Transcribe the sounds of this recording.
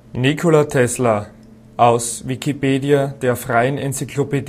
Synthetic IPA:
nikʰolatʰɛslɐ | ʔaʊsvikipeːdiad̥eːɐfʁaɪənɛnt͡sikʰloped

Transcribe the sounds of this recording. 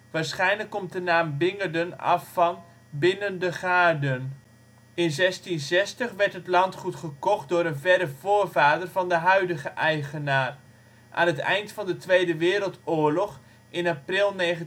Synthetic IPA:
ʋaːɹsχɛjnləkːɔmt̚dənaːmbɪŋəɹdənɑ̰fːɑn | bɪnəndəχaːɹdən | ɪnzɛstinzɛstəχʋɛɹtɦətlɑntχutχəkɔχt̚dʊːɾənvɛɾəv̥oːɹvaːdərvɑndəɦœɥdəχəʔɛjχənaːr | ʔa̰ːnɦətɛ̰jntfɑndətʋejdəʋɪːɾəlˠtʊːɹlɔχ | ɪnaprɪlˠnejχə

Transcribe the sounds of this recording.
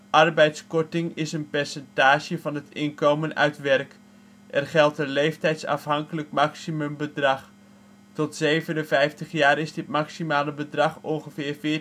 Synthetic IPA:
ʔɑrbɛjtskɔtɪŋɪsənpɛrsɛntaːʒəvɑnɦətɪnkowmənœ̰ɥtʋɛrk | ʔɛrχɛlˠtəlejftɛjtsɑ̰fɦɑŋkələkmaksimɵmbədrɑχ | tɔtsejvənənvɛjftəχjaːɾɪzdɪt̚maksimaːləbədrɑχɔnχəvɪːrvɪː

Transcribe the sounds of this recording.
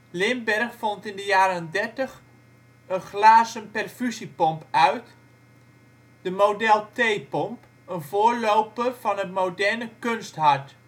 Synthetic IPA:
lɪnbɛrχfɔntɪndəjaːɾəəndɛɹtəχ | ənχlaːzənpɛrfysipɔmpœɥt | d̥əmowdɛlˠtejpɔmp | ənvʊːɹlowpəv̥ɑnətmodɛɹnəkɵnstɦɑɹt

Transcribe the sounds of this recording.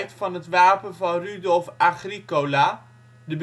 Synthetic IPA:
jtfɑnɦətʋaːpənvɑnrydɔlˠfaχrikolaː | dəb

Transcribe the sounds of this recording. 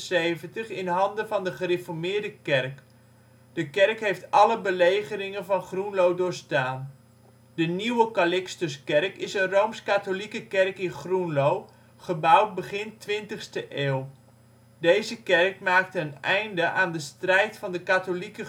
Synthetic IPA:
sejvəntəχɪnɦɑndəvɑndəχərefɔɹmɪːɹdəkɛrk | dəkɛrkɦejftɑləbəlejχərɪŋənvɑnχrunlowdʊːɹstaːn | dəniwəkalɪkstəskɛrkɪsənrowmskatolikəkɛrkɪnχrunlow | χəbʌwt̚bəχɪntʋɪntəχstəʔeːlˠ | dejzəkɛrkmaːk̚təənɛjndəʔaːndəstrɛjtfɑndəkatolikə

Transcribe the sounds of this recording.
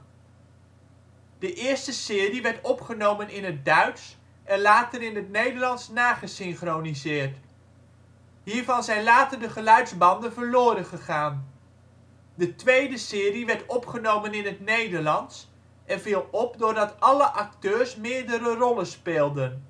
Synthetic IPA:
d̥əʔɪːɹstəsɪːriʋɛɹtɔpχənowmənɪnət̚dœɥts | ʔɛnlaːtəɾɪnɦətnejdəɹlɑnsnaːχəsɪnχronizɪːɹt | ɦiːɹvɑnzɛjnlaːtəɹdəχəlœɥdzbɑndənvəɹlʊːɾənχəχaːn | dətʋejdəsɪːriʋɛɹtɔpχənowmənɪnɦətnejdəɹlɑnts | ʔɛnvilˠɔp̚dʊːɹdɑtɑləʔɑktøːɹsmɪːɹdəɾərɔlənspɪːlˠdən

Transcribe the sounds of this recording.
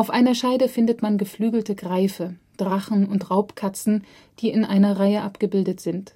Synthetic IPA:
ʔaʊfʔaɪnɐʃaɪdəfɪndətmanɡəflyːɡl̩təɡʁaɪfə | d̥ʁaχn̩ʊntʁaʊpkʰat͡sn̩ | d̥iːɪnʔaɪnɐʁaɪəʔapɡ̥əbɪldətz̥ɪnt

